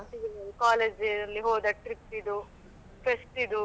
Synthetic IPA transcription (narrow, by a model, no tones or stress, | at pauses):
siɡɾɐlkaːleːd͡ʒeɾɐlːiɦoːd̪ɐʈɾipsid̪u | pʰesʈid̪u